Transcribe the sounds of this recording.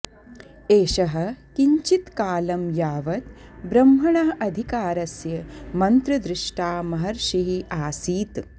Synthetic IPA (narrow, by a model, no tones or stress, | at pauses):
eːʃɐɦɐ̆kiɲt͡ʃit̪kaːlɐmjaːʋɐt̪bɾɐmɦɐɳɐɦɐʔɐd̪ʱikaːɾɐsjɐmɐnt̪ɾɐd̪ɾɪʂʈaːmɐɦɐɾʃiɦiʔaːsiːt̪